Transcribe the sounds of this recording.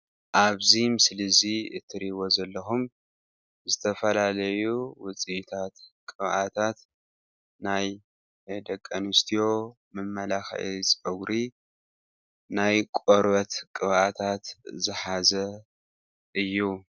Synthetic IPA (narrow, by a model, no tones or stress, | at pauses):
ʔaβzimɨslɨziɨ̰t̪ʰːɨɾiβo̞zɐlːɐxum | zɨt̪ʰɐfɐlalɐjuwʊt͡sʼit̪ʰat̪kʼɨβʔat̪ʰat̪ | naj | d̪ɐkʼːɐnɨst̪ʰijo̞ | mɨmːɐlaxʔit͡sʼɐɡɾi | najkʷʼoɾbɐt̪kʼɨβʔat̪ʰat̪zɨħazɐ | ʔɨjːu